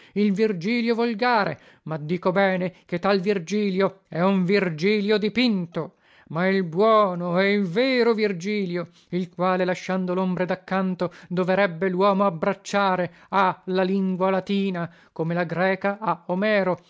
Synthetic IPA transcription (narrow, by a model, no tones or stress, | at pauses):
ilvird͡ʒiːljovolɡaːɾḛ | mad̪ːiːkobɛːneket̪ːalvird͡ʒiːljoɛuɱvird͡ʒiːljod̪ipint̪o | mailbwɔːnoɛilvɛːɾovird͡ʒiːljo | ilkwaːlelaʃːand̪olombɾed̪akːant̪od̪oveɾɛbːelwɔːmoabɾat͡ʃːaːɾe | alaliŋɡwalat̪iːna | komelaɡɾɛːkaaomɛːɾo